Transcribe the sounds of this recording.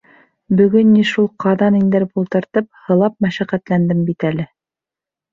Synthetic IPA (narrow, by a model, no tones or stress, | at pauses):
bɵ̆ɡɵnːiʃulˠqɑðɑnind̪ɘɾbulˠt̪ɤ̆ɾt̪ɤp̚hɤ̆lˠɑp̚mæʃæqæt̪lænd̪ɘmbit̪ælɘ